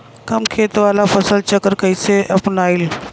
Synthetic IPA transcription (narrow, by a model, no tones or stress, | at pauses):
kɐmkʰeːt̪ʋaːlafʰəsəlt͡ʃəkəɾkəiseʔɐpnaːil